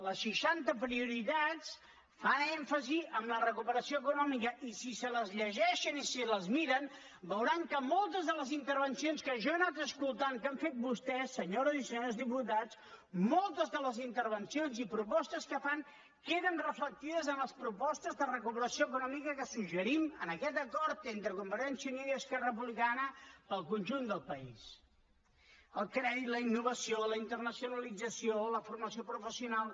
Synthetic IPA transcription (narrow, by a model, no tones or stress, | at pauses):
ləsʃiʃant̪əpɾiuɾit̪at͡s | fanɛɱfəziʔəmlərəkupəɾəsioəkunɔmikəʔisisələzʎəʒɛʃənisiləzmiɾən | bəwɾaŋkəmɔlˠt̪əzðələzint̪əɾβ̞ənsionskəʒaənat̪əskulˠt̪aŋkaɱfet̪̚bust̪ɛsːəɲoɾəzisəɲozðiput̪at͡smolˠt̪əzðələzint̪əɾβənsionzipɾupɔst̪əskəfaŋ | keðənrəflək̚t̪iðəzənləspɾupɔst̪əzðərəkupəɾəsijoəkunɔmikəkəsuʒəɾimənəkɛt̪əkɔɾt̪ent̪ɾəkumbəɾɛnsiəniðiəskɛrəəp̬uβlikanəpəlˠkunʲʒund̪əlˠpəis | əlˠkɾɛðit̪ləinːuβ̞əsioləint̪ərnəsiunəlid͡zəsioləfurməsiopɾufəsiunalˠ